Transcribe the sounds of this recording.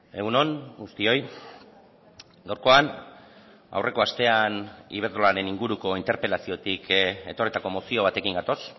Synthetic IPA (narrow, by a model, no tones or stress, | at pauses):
e̞ɣuno̞nɡust̪io̞j | ɡawɾko̞an | a̰wre̞ko̞ast̪e̞anḭβ̞eɾðolaɾe̞niŋɡuɾuko̞int̪e̞ɾpe̞lasio̞t̪ike̞t̪orit̪ako̞mo̞sio̞β̞at̪e̞kiŋɡat̪o̞s